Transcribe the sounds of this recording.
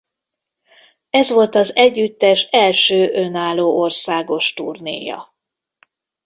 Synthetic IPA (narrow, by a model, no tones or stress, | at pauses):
ɛzʋo̞lt̪ɒzɛɟːyt̪ːɛʃɛlʃøːʔønaːlːoːʔorsaːɡo̞ʃt̪urnḛːjɒ̰